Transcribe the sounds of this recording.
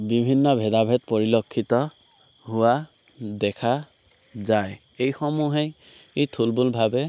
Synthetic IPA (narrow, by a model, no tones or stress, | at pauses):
bibʱinːɔbʱɛdabʱɛt̚pɔɹilɔkʰːitɔ | ɦʊwa | dɛkʰa | zaj | ejxɔmuɦej | itʰulbʊlbʱabɛ